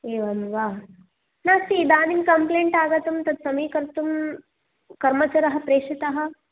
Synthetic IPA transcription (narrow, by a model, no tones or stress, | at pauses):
eːʋɐmʋaːɦ | naːst̪iːd̪aːninkɐmpleːɳʈaːɡɐt̪umt̪ɐd̪sɐmijkɐɾt̪um | kɐɾmɐt͡ʃɐɾɐɦɐpɾeːʂit̪ɐɦɐ̆